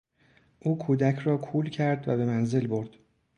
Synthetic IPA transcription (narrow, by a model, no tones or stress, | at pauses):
ʔuːkʰuːd̪æcʰrɒːkʰuːlcʰæɾd̪væ̰be̞mænze̞lbo̞ɾd̪̥